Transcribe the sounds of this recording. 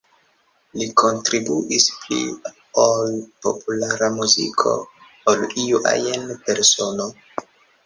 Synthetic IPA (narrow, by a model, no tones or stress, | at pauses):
liko̞ntɾibuʔisplḭ | olpo̞̰pulaɾamuzḭkʰo̞̰ | oliuʔa̰jenpe̞ɾso̞no